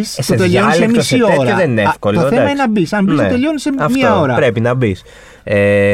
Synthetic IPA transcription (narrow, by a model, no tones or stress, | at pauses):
st̪ot̪ʎonsemisioɾɐeðeninefkolt̪oeɐmɐinɐbisɐnbisot̪eʎoniseɐfmtiɐoɾɐpɾe̞pinɐbis | e